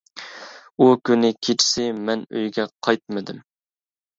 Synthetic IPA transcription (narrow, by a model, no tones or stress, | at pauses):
ukʲynɪkʲʰet͡ʃʰɪ̥sɪmɛnø̰jɡʲɛqʰɑjt̪̚mɨd̪ɪm